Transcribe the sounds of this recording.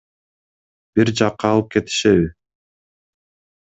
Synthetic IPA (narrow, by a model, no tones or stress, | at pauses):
b̥iɾd͡ʒɑqːɑːlˠɯp̚ke̞t̪i̥ʃeβi